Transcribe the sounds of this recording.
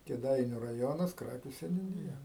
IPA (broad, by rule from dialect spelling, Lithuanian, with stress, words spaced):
kʲeːˈdɐɪnʲʊ rɐˈjoːnɐs ˈkrɑːkʲʊ sʲɛnʲuːˈnʲɪjɛ